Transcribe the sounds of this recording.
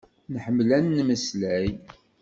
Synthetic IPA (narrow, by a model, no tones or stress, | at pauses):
nħəmːlænːməslæj